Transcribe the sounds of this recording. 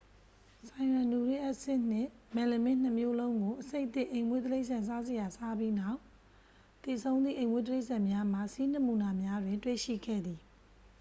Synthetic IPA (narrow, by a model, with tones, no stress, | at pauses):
sã˨ɪ̃wã˨nu˨ɹe˦˨ʔɛ˦ʔsɪ̃˦˨n̥ɪ̰̃˦˨mɛ̃˨le˨mɪ̃˦˨n̥ə˨mjo˦lõ˦ʊ̃ŋɡo˨ʔəse˦ɪʔt̪ːɪ̰̃˦ʔẽ˨ɪ̃mwe˦t̪əle˦ɪʔsã˨nsa˦ze˨ja˨sa˦bji˦na˦˨ʊ | t̪e˨sʰõ˦ʊ̃nd̪ðḭ˦˨ʔẽ˨mwḛ˦t̪əle˦ɪʔsã˨mja˦m̥a˦˨si˦n̥ɪə˦˨mu˨na˨mja˦dwɪ̃˨ntwḛ˦˨ʃḭ˦˨ɡɛ̰˦˨d̪i˨